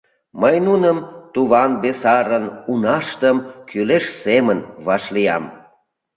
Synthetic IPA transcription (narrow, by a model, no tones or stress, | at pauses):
məjnunəmt̪uβɑnbesɑɾənunɑʃt̪əmkyleʃsemənβɑʃlijɑ̰m